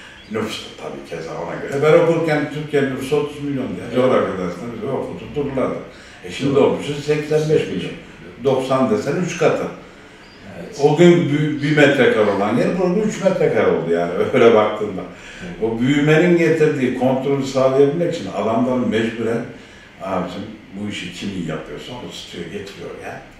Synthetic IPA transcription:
nyfst̪ɯ̥t̪ʰa̰bḭːcʰɛza̰o̰na̰ɟø̞ɾɛbæɾo̞kuɾcɛnt̪ʰyɾcʰɛnnyfso̞t̪ʰuzmilʲjo̞nd̪ijɛd͡ʒoɾafad̪asnbijokfʰut̪ʰud̪uɾlˠad̪ɯ | ɛʃimd̪io̞lˠmuʃsɛcsænbɛʃmilʲjo̞̰n | d̪o̞ksand̪ɛsɛnyt͡ʃkʰat̪ʰɯ | oɡʲynbybimɛt̪ɾɛkʰaɾolˠanɟelʲibuɾaɡynyt͡ʃmɛt̪ɾɛkao̞lˠd̪ujaːnɪøjlʲɛbakt̪ʰɯːnd̪ˠa | obyjyme̞ninɟet̪ʰiɾd̪iːkʰo̞nt̪ɾo̞lʲysaːlˠijabilʲmeki̥t͡ʃʰina̰lamd̪anmɛd͡ʒbuɾɛn | aːbit͡ʃʰinbuiʃicʰimija̰pʰɯjoɾsunbusi̥t̪ʰijoɟet̪ʰɾijo̞̰ɾja̰

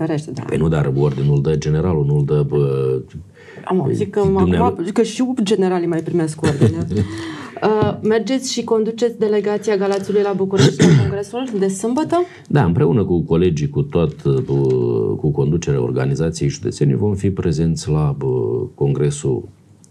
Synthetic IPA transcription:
feɾeʃt̪ed̪a̰pə̰jnud̪arord̪inuld̪əd͡ʒe̞ne̞ɾalunuld̪əb | a̰mikəaummakəʃiud͡ʒe̞ne̞ɾalimajpɾime̞skord̪ine | əme̞rd͡ʒe̞t̪sʲʃiko̞nd̪ut͡ʃe̞t̪sʲd̪e̞le̞ɡat̪sijaɡalat̪siulujlabukuɾeʃt̪koŋɡɾe̞suld̪e̞sɨmbət̪ə | d̪aɨmpɾe̞unəkuko̞le̞d͡ʒikut̪oat̪bkuko̞nd̪ut͡ʃeɾea̰o̰rɡa̰nizat̪sijejʒud̪et̪se̞nḭjvo̞mfipɾe̞ze̞nt̪sʲlako̞ŋɡɾe̞sṵl

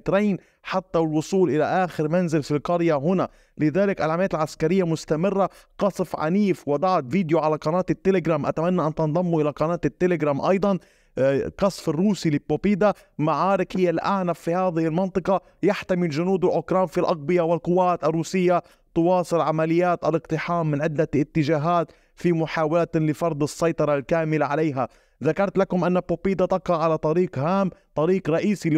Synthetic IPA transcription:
t̪ɾeːn | ħat̪ːawɪlwʊsˤuːlʔɪlaʔaːxɪɾmanzɪlfilqɑɾjaɦʊna | lɪðaːlɪkʔalʕamaːt̪ɪlʕaskaɾɪjːamʊst̪amɪrːa | qɑsˤfʕa̰niːfwɑd̪ˤɑʕt̪viːd̪joʕalaqɑnaːt̪ɪt̪ːelɪɡɾaːmʔat̪amanːaʔant̪ɑnd̪ˤɑmːuʔɪlaqɑnaːt̪ɪt̪ːelɪɡɾaːmʔɑjd̪ˤɑn | qɑsˤfɪrːuːsilɪpːopiːd̪a | maʕaːɾɪkhɪjːalʔa̰ʕnafːihaːðɪhɪlmɑnt̪ˤɨqɑ | jaħt̪amiʒʊnuːd̪ʊʔʊkɾaːnfilʔɑɣ̚bɪjawɪlqʊwːaːt̪arˤːuːsɪjːa | t̪ʊwɑːsˤɨlʕamalɪjːaːt̪ʔalɪqt̪ˤɨħaːmːɪnʕɪd̪ːaɪt̪ːɪʒaːɦaːt̪ | fimʊħaːwalt̪lɪfɑɾˤd̪ˤɨsːɑjt̪ˤɑɾˤɑlkaːmɪlaʕaleːɦa | ðakɑɾˤt̪lakʊmʔanːapːoːpiːd̪at̪ɑqɾɑʕalat̪ˤɑɾiːqhaːmt̪ˤɑɾiːqɾˤɑʔiːsi

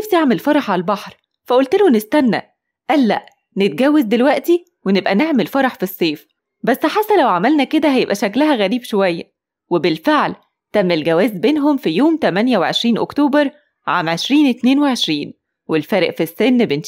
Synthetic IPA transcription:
æfsiʔeʕmelfɑɾˤɑħʕaælbɑħɾˤ | fæʔolt̪elonest̪ænːæ̰ʔ | ʔælːæ̰ʔ | net̪̚ɡæwːezd̪elwæʔt̪i | wenebʔæneʕmelfɑɾˤɑħfisˤːeːf | bæsːħasːælæwʕamælnæked̪æhæjebʔæʃæklæɦæɣæɾiːbʃowæjːæ̰ | webelfeʕl | t̪æmːelɡæwæːzbeːnɦomfijoːmt̪æmænjæweʕḛʃɾiːnʔo̰kt̪oːbɑɾˤ | ʕa̰ːmʕeʃɾiːnet̪neːnweʕeʃɾiːn | welfæːɾeʔfisːenːben

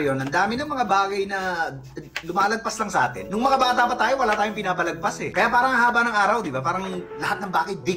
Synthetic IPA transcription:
jonɐnd̪aːmɪnɐŋmɐŋabaːɡɐjnɐ | lʊmaːlɐɡ̚pɐslɐŋsɐʔaːt̪ɛ̰nnʊŋmɐŋabaːt̪apɐt̪aːjo̞wɐlaːt̪aːjoŋpɪnaːbɐlɐɡ̚pasɛkɐjaːpaːɾɐŋhɐhaːbɐnɐŋaːɾɐwd̪ɪbapaːɾɐŋlɐhat̪̚nɐŋbaːɡɐt̪̚d̪ɪ

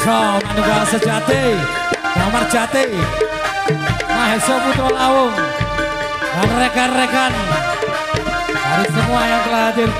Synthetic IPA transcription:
sɔmanikasə̥d͡ʒat̪e | sɔmar̥d͡ʒat̪e | maɦesoput̪ɾɔlawʊŋ | lanrekanrekan | daɾisəmuajaŋt̪əlaɦad̪ɪr

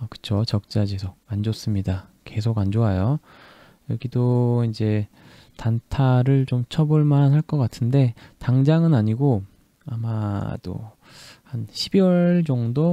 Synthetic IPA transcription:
ʌkɯ̥t͡ɕʰot͡ɕʌk̚t͡ɕ͈ad͡ʑisʰʌand͡ʑos͈ɯmɲida | ke̞sʰoɡand͡ʑoajo | jʌɡidoind͡ʑe̞ | tantʰaɾɯɭt͡ɕomt͡ɕʰʌboɭmanhaɭk͈ʌk͈atʰɯnde̞taŋd͡ʑaŋɯnaɲiɡo | amad̥o̰ | hanɕʰibiwʌɭd͡ʑʌŋdo

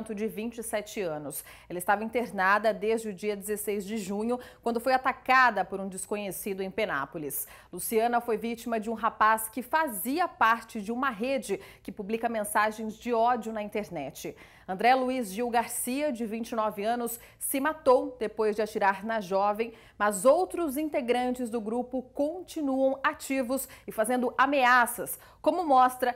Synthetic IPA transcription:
nt̪ʊd͡ʒɪvĩt͡ʃɪsɛt͡ʃɪɐ̃nʊs | ɛlɐɪst̪avɐĩnt̪eɾnad̪ɐd̪ezd͡ʒɪʊd͡ʒiɐd͡ʒ̪ɪzesejzd͡ʒɪʒũɲʊkwɐ̃nd̪ʊfojat̪akad̪ɐpoɾũd͡ʒɪskõɲesid̪ʊẽj̃pena̰polis | lusiɐ̃nɐfojvit͡ʃimɐd͡ʒɪũɦapaskɪfaziɐpaɾt͡ʃɪd͡ʒɪũmɐɦed͡ʒɪkɪpublikɐmẽsaʒẽj̃zd͡ʒɪɔd͡ʒʊnɐĩnt̪eɾnɛt͡ʃɪ | ɐ̃nd̪ɾɛluizʒiwɡaɾsiɐd͡ʒɪvĩt͡ʃɪnɔvɪɐ̃nʊsː | ɪmat̪owd̪epojzd͡ʒɪat͡ʃiɾaɾnɐʒɔvẽj̃ | mɐzowt̪ɾʊzĩt̪eɡɾɐ̃nt͡ʃɪzd̪ʊɡɾupʊkõt͡ʃinuɐ̃w̃at͡ʃivʊsɪfazẽnd̪ʊʔameasɐs | kõmʊmɔst̪ɾɐ

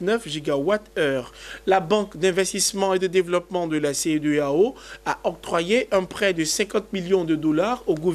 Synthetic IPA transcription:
nœfʒiɡawat̪œːʁlabɑ̃kd̪ɛ̃vɛst̪ismɑ̃ed̪əd̪evlɔpmɑ̃d̪əlased̪øaoaʔɔk̚t̪χwajeʔɛ̃pχɛd̪əsɛ̃kɑ̃t̪̚miljɔ̃d̪əd̪ɔlaʁoɡuv

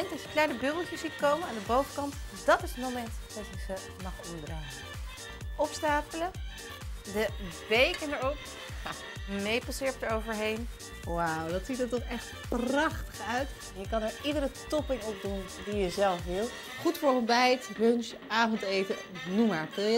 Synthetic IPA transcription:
ɛntɑsjəknaːɹdəbøbəl̩ˠtjəszitkowmənaːndəbowvəkɑntdɑtɪsətmomɛntd̥ɑtɪksə | mɑχɔmdraːə | ɔpstaːpələ | dəbejkənəɹɔp | mejpɑsɪːɹpdəɹowvəɹɦejn | wawdɑtsitəɹtɔχɛχtprɑχtə̥χœɥt | ɛnjəkɑnɛɹidəɾətɔpɪŋɔp̚dun | dijəzɛlˠfʋɪlˠ | χutfʊɹəmbɛjtɦøns | aːvɔntejtə | numaːɹɪlˠjə

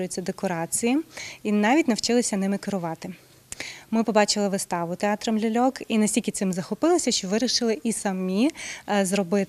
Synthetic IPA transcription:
ʊjet͡sʲːɐd̪ekɔɾɑt͡sʲijiinɑʋʲitʲnɐwt͡ʃɪlˠɪsʲɐnɪmɪkeɾʊʋɑt̪ɪ | mɪpɔbɑt͡ʃɪlˠɪʋɪst̪ɑʋʊt̪eɑt̪ɾɔmlʲulʲɔkinɐsʲtʲilʲkʲɪt̪sɪmzɐxɔpɪlˠɪsʲɐʃt͡ʃɔʋɪɾʲiʃɪlˠɪʔisɐmʲizɾɔbɪt̪

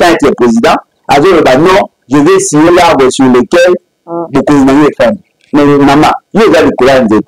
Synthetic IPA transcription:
tãeteɛpʁezidã | azolobanɔ̃ | ʒevesijolabesulekɛl | bokojinajoefani | mɛmama̰joezalikolazet

